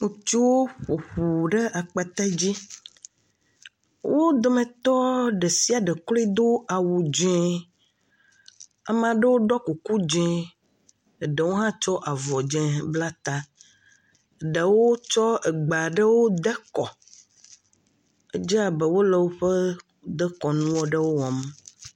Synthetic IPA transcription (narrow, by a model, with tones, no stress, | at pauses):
ŋũ˨t͡ʃi˦wo˦ɸo˨ɸu˨ɖe˦ʔa˨k͡pa˨t̪a˦d͡ʑi˦ | wo˦d̪o˨mẽ˨t̪ɔ˦ɖe˨si˦a˨ɖe˨kli˦d̪o˦a˨wu˨d͡ʒɛ̃˦ | a˨mã˨ɖə˦wo˦ɖɔ˦ku˨ku˦d͡ʒɛ̃˦˨ | ɖe˨wo˦ɦã˦t͡ʃɔ˦ʔa˨vɔ˨d͡ʒɛ̃˦˨bla˦t̪a˦˨ | ɖe˨wo˦t͡ʃɔ˦e˨ɡ͡ba˨ɖə˦wo˦d̪ɛ˦kɔ˨ | e˦d͡ʒɛ˦a˨bɛ˨wo˦lɛ˨wo˦ɸe˦ | d̪ɛ˦kɔ˨nũ˦wɔ˦ɖə˦wo˦wɔ˨m˦